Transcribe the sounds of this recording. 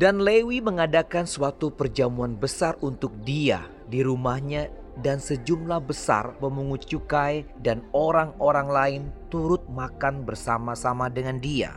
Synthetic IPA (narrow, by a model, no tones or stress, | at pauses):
danlewiməŋadakansuat̪upərd͡ʒamuanbəsarunt̪ʊk̚dia̰ | diɾumahɲa | dansəd͡ʒumlahbəsa̰rpəmuŋut͡ʃukaj | danoɾaŋoɾaŋlaɪnt̪uɾʊt̪̚makanbərsamasamadəŋandia̰